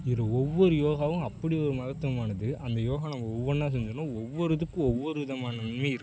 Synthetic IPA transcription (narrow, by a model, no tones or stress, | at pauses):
ɪɾɯɔʋːɔɾɯjoːɣaːʋɯ̃ɐpːɐɽiɔɾɯmaːɣɐt̪ɯnɯmaːnɐðɯʔɐnd̪ɐjoːɣɐ̃nɐmːɐɔʋːɔnaːs̬ɛɲd͡ʒɐnõːɔʋːɔɾɐðɯkːʊ̃ɔʋːɔɾɯʋɪðɐmaːnɐɐnmɐɪɾɯkː